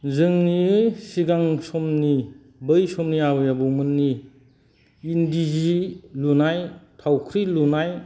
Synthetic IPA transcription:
zɯŋniɯsiɡaŋsɔmni | bɯjsɔmniabjabɔmɯnːi | ndizilunajtʰawkʰɾilunaj

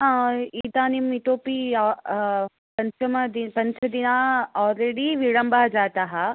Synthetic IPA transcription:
ɦãːiːd̪aːnimit̪oːpi | pɐ̃ɲt͡ʃəmɐd̪ipɐ̃ɲt͡ʃʰəd̪inaːɔːlɾeːɽiʋiɽɐmbad͡ʒaːt̪aːɦa

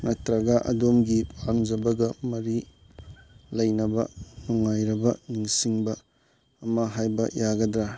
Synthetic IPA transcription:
nɐtɾɐɡɐʔɐ̰domɡipʰaŋd͡ʒɐbɐɡɐmɐɾi | lɐjnɐbɐnɔŋːajɾɐbɐniŋsiŋbɐː | mɐɦajbɐjaɡɐdɾa

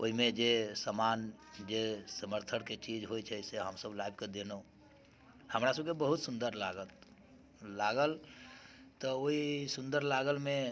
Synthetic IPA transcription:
oɦimed͡ʒesəmand͡ʒesəməɾt̪ʰəɽket͡ʃid͡ʒɦojt͡ʃʰɛseɦəmsəblaibked̪eno | həmɾasəb̚kebəɦut̪sund̪əɾlaɡət̪ | laɡəl | t̪ɔoisund̪əɾlaɡəlme

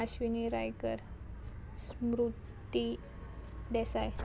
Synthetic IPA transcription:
aɕʋiniɾajkəɾ | smɾut̪i | d̪ɛsaj

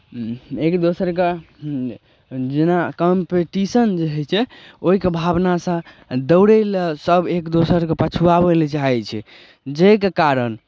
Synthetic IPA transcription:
ekd̪osəɾke | d͡ʒenakəmpeʈisənd͡ʒeɦɛt͡ʃʰɛoikebʱabnasə̃ | d̪əʊɽelsəbʱekd̪osəɾkepət͡ʃʰuabelt͡ʃaɦɛt͡ʃʰɛ | d͡ʒekekaɾən

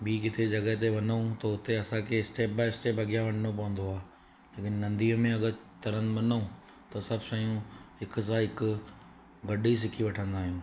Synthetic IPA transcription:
biːk̬ɪt̪ʰed͡ʑɐɠəɦt̪̬eʋɐnəũt̪ɐʊt̪eɐsãkʰesʈeːp̚baːɪɪsʈeːpɐɠijaʋɐn̤nop̬ɐʋə̃nd̪oaː | leːkɪnːɐ̃nd̪iːmẽɐɠəɾ | t̪ɐɾə̃nmɐnəũ | t̪ɐsɐbʱʃɐjũɦɪkʊ̆s̬ãɦɪkʊ | ɡɐɗis̬ɪkʰiʋɐʈʰə̃nd̪aːɦijũː

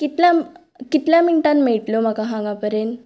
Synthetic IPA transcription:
kit̪lja | kit̪ljaminʈanmeɭʈlom̤akaɦãŋɡapəɾjen

